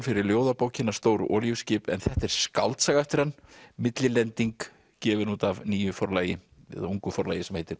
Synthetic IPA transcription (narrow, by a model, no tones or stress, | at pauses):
fɪɾɪɾljoːwðapowcɪnḁst̪owɾ̰ʔɔːljuwscɪːpɛ̰nθɛht̪ɛɾ̥ska̰wlt̪saːɣaɛft̪ɪɾ̥hanːmɪt̪lɪlɛnt̪iŋk | cɛːvʏɾnuːt̪avniːjʏfɔɾlajɪ | ɪ̰ðauŋkʏfɔɾla̰jɪsɛmhejt̪ɪɾ̥